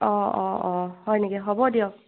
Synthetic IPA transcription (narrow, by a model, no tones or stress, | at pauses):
ɔɔɔhɔjniɡɛɦɔbɔdiɔk̚